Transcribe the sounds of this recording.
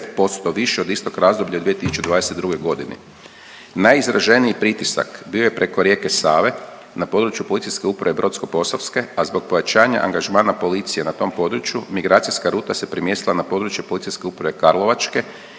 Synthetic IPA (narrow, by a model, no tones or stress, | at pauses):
t̪po̞st̪o̞ʋiʃeod̪ist̪o̞kɾazd̪o̞bʎʲaud̪ʋie̞t̪isu̥t͡ʃed̪ʋaːd̪eset̪̚d̪ɾuɡo̞jɡo̞d̪inḛ | najizɾaʒe̞niipɾit̪isa̰kbio̞jepɾʔe̞koɾje̞kesaːʋe̞ | napo̞d̪ɾut͡ʃjupolit̪sijskeupɾaʋe̞bɾo̞t̪sko̞po̞soʋske̞azbo̞k̚pojat͡ʃaːɲa̰ʔa̰ŋɡaʒmaːnapo̞lit̪sijenat̪o̞mpo̞d̪ɾut͡ʃjumiɡɾaːt̪sijskaɾuːt̪ase̞pɾimje̞st̪ilˠanapo̞d̪ɾut͡ʃjepo̞lit̪sijske̞upɾaʋe̞kaɾlˠo̞ʋat͡ʃke̞